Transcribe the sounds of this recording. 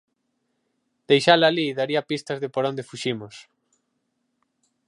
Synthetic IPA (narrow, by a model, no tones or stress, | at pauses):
d̪̥ejʃalaliðaɾiɐpist̪ɐzðɪpoɾond̪efuʃimos